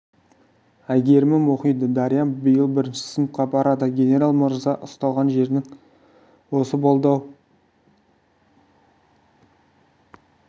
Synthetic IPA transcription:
æjɡʲe̞ɾɪmɪmoqijd̪əd̪ɑɾijɑnbɪjəlˠbɪɾɪnʃɪ̥sɪnəfqɑbɑɾɑd̪əɡʲe̞ne̞ɾalˠməɾzɑʔʊst̪ɑlˠʁɑnʒe̞ɾnɪŋ | wo̞səbolˠd̪ɑw

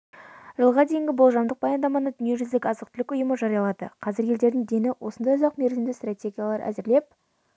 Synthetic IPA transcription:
ʒəlˠʁɑd̪e̞jɪŋɡʲɪbolˠʒɑmd̪əq̚b̥ɑjɑnd̪ɑmɑnəd̪ʏnie̞ʒʏzd̪ɪkʲɑzəq̚t̪ʰɪlɪkʊjəməʒɑɾijɑlˠɑd̪ə̰qʰɑzɪɾjʲe̞ld̪e̞ɾd̪ɪŋd̪e̞nɪwʔo̞sənd̪ɑjʊzɑqme̞ɾʒɪmd̪ɪst̪rat̪ʲe̞ɡʲijalˠɑɾʔæ̰zɪɾle̞p̚

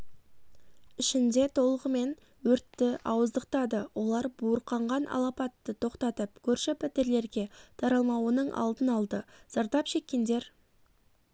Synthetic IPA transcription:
ɪʃɪnd̪e̞t̪ʰo̞lˠəʁəme̞n | wɵɾt̪ːɪʔɑwəzd̪əq̚t̪ɑd̪əwo̞lˠɑɾbuəɾqɑɴʁɑnʔɑ̰lˠɑpɑt̪ːət̪ʰo̞qt̪ɑt̪əpkʲʰɵɾʃɪpʰɪt̪ɪɾle̞ɾɡʲe̞t̪ʰɑɾɑlˠmɑwənəɴʔɑ̰lˠd̪ənɑlˠd̪əz̥ɑɾd̪ɑpʃe̞kʲːe̞nd̪e̞ɾ

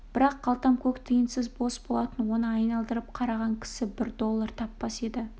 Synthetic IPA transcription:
b̥ɪɾɑqːɑlˠt̪ɑmkʲʰɵkt̪ʰəjɪnsɪzbo̞sbo̞lˠɑt̪ənwo̞nəɑjnɑlˠd̪əɾəp̚qʰɑɾɑʁɑŋkʲʰɪ̥sɪbɪɾd̪o̞lˠːɑɾt̪ʰɑpːɑse̞d̪ɪ

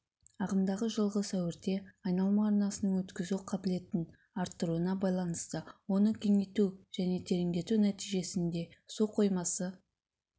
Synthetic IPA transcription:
ɑʁəmd̪ɑʁəʒəlˠʁəsæwɪɾt̪e̞ɑjnɑlˠmɑɑɾnɑsənəɴwɵt̪kʲɪzuqʰɑbɪle̞t̪ɪn | ɑɾt̪ːəɾuənɑbɑjlˠɑnəst̪əwo̞nəkʲʰe̞ŋe̞jt̪uʒ̥æne̞t̪ʰe̞ɾɪŋd̪e̞t̪unæt̪ijʒe̞sɪnd̪e̞soqʰo̞jmɑsə

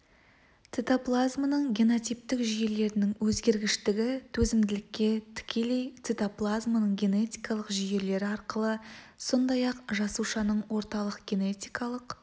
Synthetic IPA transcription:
t̪set̪oplˠazmənəɴɡʲeno̞t̪sijp̚t̪ɪkʒije̞le̞ɾɪnɪŋwɵzɡʲe̞ɾɡʲɪʃt̪ɪɡʲɪt̪ʰɵzɪmd̪ɪlɪkʲːe̞t̪ʰɪ̥kʲʰe̞le̞jt̪set̪oplˠazmanəɴɡʲe̞ne̞t̪ʲijkɑlˠəqʒije̞le̞ɾɪɑɾqəlˠəso̞nd̪ɑjɑqʒɑsuʃɑnəɴwo̞ɾt̪ɑlˠəqɡʲe̞ne̞t̪ʲijkɑlˠəq

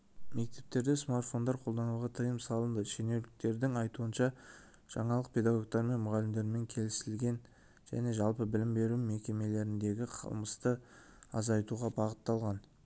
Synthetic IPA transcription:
me̞k̚t̪e̞p̚t̪e̞ɾd̪esmart̪fo̞nd̪ɑɾqʰolˠd̪ɑnuʁɑt̪ʰəjəmsɑlˠənd̪əʃene̞wlɪk̚t̪e̞ɾd̪ɪŋɑjt̪uənʃɑ | ʒ̥ɑɴɑlˠəq̚pʰʲe̞d̪ɑɡo̞ɡ̚t̪ɑɾme̞nmʊʁɑlɪmd̪e̞ɾɪme̞ŋkʲʰe̞lɪsɪlɡʲe̞n | ʒ̥æ̰ne̞ʒɑlˠpəbɪlɪmbe̞ɾume̞kʲe̞me̞le̞ɾɪnd̪e̞ɡʲɪqʰə̰lˠməst̪əɑzɑjt̪uʁɑbɑʁət̪ːɑlˠʁɑn

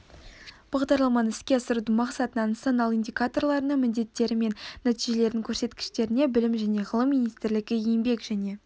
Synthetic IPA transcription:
b̥ɑʁd̪ɑɾlˠɑmɑnɪskʲe̞ɑsəɾud̪əŋmɑqsɑt̪ənɑnt̪sonɑlˠind̪ʲikat̪o̞rlˠɑɾənəŋmɪnd̪e̞t̪ːe̞ɾɪme̞nːæt̪ijʒe̞le̞ɾd̪ɪŋkʲʰɵɾse̞t̪kʲɪ̥ʃt̪e̞ɾɪne̞bɪlɪmʒæne̞ʁəlˠəmːinijst̪ɪɾlɪɡʲɪejɪmbe̞kʒæne̞

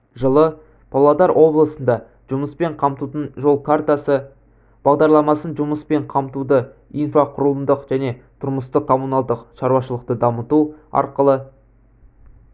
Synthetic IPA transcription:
ʒəlˠə | pʰolˠad̪ɑɾwʔo̞blˠəsənd̪ɑ | ʒ̥ʊməspe̞ɴqʰɑmt̪ut̪ənʒo̞lˠkʰart̪asə | b̥ɑʁd̪ɑɾlˠɑmɑsənʒʊməspe̞ɴqʰɑmt̪ud̪əijnfaqʰʊɾəlˠəmd̪əqʒ̥æne̞t̪ʰʊɾməst̪əkʰo̞munalˠd̪əqʃɑɾwɑʃəlˠəq̚t̪əd̪ɑmət̪uɑ̰ɾqəlˠə

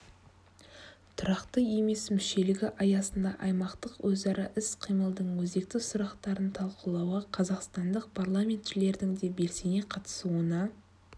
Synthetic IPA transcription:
t̪ʰʊɾɑqt̪əje̞me̞smʏʃe̞lɪɡʲɪʔɑjɑsənd̪ɑ̰ʔɑjmɑqt̪əqwɵzɑɾɑʔɪsqʰijməlˠd̪əɴwɵzd̪e̞k̚t̪ɪsʊɾɑqt̪ɑɾənt̪ʰɑlˠqəlˠɑwəqʰɑzɑqst̪ɑnd̪əq̚pʰarlˠamʲe̞nt̪ʒɪle̞ɾd̪ɪŋd̪e̞be̞lse̞ne̞qʰɑt̪ə̥suənɑ

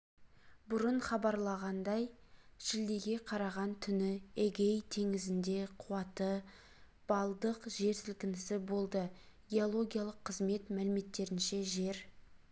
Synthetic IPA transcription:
bʊɾəɴχɑbɑɾlˠɑʁɑnd̪ɑjʒɪld̪e̞ɡʲe̞qʰɑɾɑʁɑnt̪ʰʏnɪeɡʲejt̪ʰe̞ŋɪzɪnd̪e̞qʰuwɑt̪ə | b̥ɑlˠd̪əqʒe̞ɾsɪlkʲɪnɪsɪbo̞lˠd̪ə | ɡʲe̞o̞lˠo̞ɡʲijalˠəqʰːəzme̞t̪mælɪme̞t̪ːe̞ɾɪnʃe̞ʒe̞ɾ

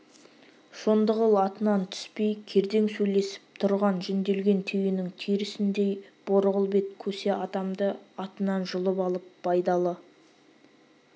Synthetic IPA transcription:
ʃond̪əʁəlˠɑt̪ənɑnt̪ʰʏ̥spe̞jkʲʰe̞ɾd̪e̞ŋsɵjle̞sɪ̥p̚t̪ʰʊɾʁɑnʒɪnd̪e̞lɡʲe̞nt̪ʰejɪnɪŋt̪ʰijɾɪsɪnd̪e̞jb̥o̞ɾəʁəlˠbe̞t̪kʲʰɵse̞ʔɑd̪ɑmd̪əɑt̪ənɑnʒʊlˠəpɑlˠəp̚bɑjd̪ɑlˠə

